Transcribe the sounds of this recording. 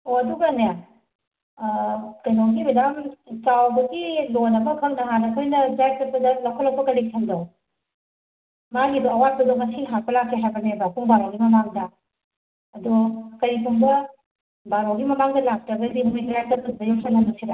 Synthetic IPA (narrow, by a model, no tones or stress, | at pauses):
oɐduɡɐneja | kɐjnoɡibɐdamt͡ʃawbɐɡilonɐbɐkʰɐŋnɐɦanɐkʰojnɐd͡ʒaj̚tɐpɐdɐlɐkʰɔlɐwpɐkɐɾitʰɐŋdow | maɡidɔɐwat̚bɐdɔmɐsiɦapʰɐlakʰːeɦajbɐnebakʰuŋbaɾoɡimɐmaŋdɐ | ɐdɔkɐɾikʰuŋbɐ | baɾoɡimɐmaŋdɐlak̚tɐɡɐdiɦumikɾatɐpʰut̚bɐjɔksɐlɐmɐsiɾa